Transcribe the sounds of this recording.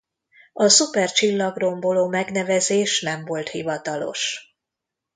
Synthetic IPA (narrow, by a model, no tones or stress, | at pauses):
ɒsupɛrt͡ʃilːɒɡro̞mbo̞loːmɛɡn̪ɛvɛzeːʃnɛmvo̞lt̪hivɒt̪ɒlo̞̰ʃ